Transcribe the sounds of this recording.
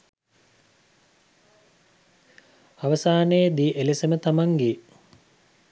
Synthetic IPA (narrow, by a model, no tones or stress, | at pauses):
aʋɐsaːnəjd̪iːʔelesemət̪amaŋɡe